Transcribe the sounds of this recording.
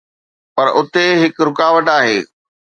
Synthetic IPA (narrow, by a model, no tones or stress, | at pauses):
pɐɾʊt̪eɦɪkɾʊkaːʋəʈaːɦeː